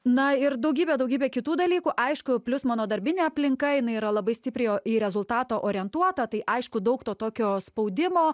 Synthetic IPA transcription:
nɐɪɾd̪ɐʊɡʲiːbʲɛd̪ɐʊɡʲiːbʲeːkʲɪt̪uːd̪ɐlʲiːkuːʔɐɪʃkʊpʲlʲʊsmɑːnoːd̪ɐɾʲbʲɪnʲeːɐpʲlʲɪŋkɐɪnɐɪiːɾɐlˠɐbɐɪsʲt̪ʲɪpʲɾʲɛɪiɾʲɛzʊlˠt̪ɑːt̪oːʔoːɾʲɪɛnt̪uɔt̪ɐt̪ɐɪʔɐɪʃkʊd̪ɐʊkt̪oːt̪oːkʲoːspɐʊd̪ʲɪmoː

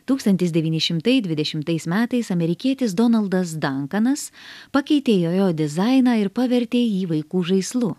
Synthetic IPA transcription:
t̪uːkst̪ɐnʲt̪ʲɪsd̪ʲɛʋʲiːnʲɪʃʲɪmt̪ɐɪd̪ʲʋʲɪd̪ʲɛʃʲɪmt̪ɐɪsmʲæːt̪ɐɪsɐmʲɛɾʲɪkʲiɛt̪ʲɪsd̪ɔnɐlˠd̪ɐs̬d̪ɐŋkɐnɐspɐkʲɛɪt̪ʲeːjoːjoːd̪ʲɪzɑɪnɑːɪɾpɐʋʲɛɾʲt̪ʲeːiːʋɐɪkuːʒɐɪslˠʊ

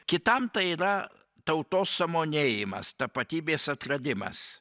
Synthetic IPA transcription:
kʲɪt̪ɐmt̪ɐɪiːɾɐ | t̪ɐʊt̪oːsːɐmoːnʲeːjɪmɐ̰st̪ɐpɐt̪ʲiːbʲeːsɐt̪ɾɐd̪ʲɪmɐ̰s

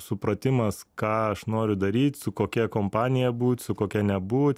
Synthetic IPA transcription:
sʊpɾɐt̪ʲɪmɐskɑːɐʃnoːɾʲʊd̪ɐɾʲiːt̪ʲsʊkoːkʲɛkoːmpɑːnʲɪjɛbuːt̪ʲsʊkoːkʲɛnʲɛbuːt̪ʲ

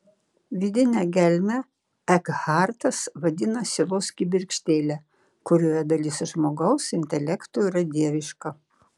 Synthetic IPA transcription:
ʋʲɪd̪ʲɪnʲæɡʲɛlʲmʲɛ | ɛkhɑˑɾt̪ɐsʋɐd̪ʲɪnɐsʲɪlˠoːsʲkʲɪbʲɪɾʲkʃʲt̪ʲeːlʲæ | kʊɾʲuːjɛd̪ɐlʲɪsʒmoːɡɐʊsɪnʲt̪ʲɛlʲɛkt̪uiɾɐd̪ʲiɛʋʲɪʃkɐ

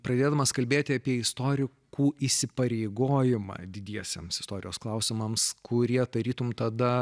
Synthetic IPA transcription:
pɾɐd̪ʲeːd̪ɐmɐskɐlʲbʲeːt̪ʲɪɐpʲiɛɪst̪oːɾʲɪkkuːʔiːsʲɪpɐɾʲeɪɡoːjɪmɑ̰ːd̪ʲɪd̪ʲiɛsʲemsɪst̪oːɾʲɪjoːsklˠɐʊsʲɪmɐmskʰʊɾʲiɛd̪ɐɾʲiːt̪ʊmt̪ɐd̪ɐ

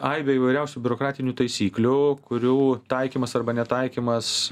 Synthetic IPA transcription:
ɐɪbʲɛiːʋɐɪɾʲɛʊsʲuːbʲʊɾoːkɾɑːt̪ʲɪnʲuːt̪ɐɪsʲiːklʲʊkʊɾʲuːt̪ɐɪkʲiːmɐsɐrbɐnʲɛt̪ɐɪkʲiːmɐs

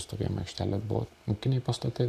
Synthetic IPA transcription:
st̪oːkʲḭmʲɐ̰kʃʲt̪ʲæːlʲɛbʊ̰ʋo̰mukʲɪnʲɛɪpɐst̪ɐt̪ɐɪ

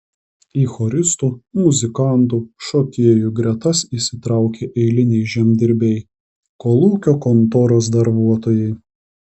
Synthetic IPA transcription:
iːxɔɾʲɪst̪uːmʊzʲɪkɑˑnt̪uːʃoːkʲiɛjuɡɾʲɛt̪ɐsiːˑsʲɪt̪ɾɑˑʊkʲeːʔɛɪlʲɪnʲɛɪʒʲiɛmʲd̪ʲɪɾʲbʲɛɪ | koːlˠuːkʲoːkɔnt̪oːɾosd̪ɐɾbuɔt̪oːjɛɪ

